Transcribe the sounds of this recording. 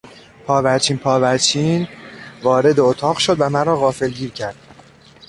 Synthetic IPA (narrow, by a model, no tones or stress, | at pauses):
pʰɒːvæɾt͡ʃʰiːnpʰɒːvæt͡ʃʰiːnvɒːɾe̞d̪eot̪ʰɒːɣʃo̞d̪væmæɾɒːɣɒːfe̞lɟiːɾcʰæɾd̪̥̚